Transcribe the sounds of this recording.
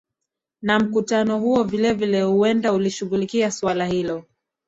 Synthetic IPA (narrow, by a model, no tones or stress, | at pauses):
nam̩kutanɔhuɔvilɛvilɛhuɛndauliʃuɣulikiaswalahilɔ